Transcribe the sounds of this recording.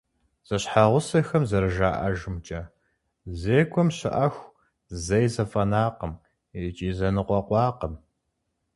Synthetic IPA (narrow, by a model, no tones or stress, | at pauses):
z̥ɐɕħaʁʷʊsɐxɐmzɐɾɨʒaːʔɐʒɪmt͡ʃʼɐ | zeːkʷʰʼɔmɕɪ̰ʔɐxʷ | zɐjzɐfʼɐnaːqəm | et͡ʃʼiːzɐnɨqʷɔqʷɑːqəm